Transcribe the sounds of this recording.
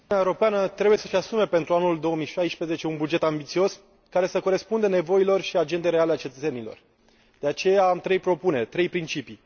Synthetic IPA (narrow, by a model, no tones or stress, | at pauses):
ununeaewuɾo̞peanət̪ɾe̞buje̞səʃʲasume̞pe̞nt̪ɾuanuld̪o̞omijʃajspɾe̞zet͡ʃe̞unbud͡ʒe̞t̪ambit̪sio̞s | kaɾe̞səko̞ɾe̞spund̪ene̞vo̞ilo̞rʃiad͡ʒe̞nd̪eɾealeat͡ʃe̞t̪ət̪se̞nilo̞̰r | d̪eat͡ʃe̞jaːmt̪ɾe̞jpɾo̞pune̞rʲt̪ɾe̞jpɾint͡ʃipi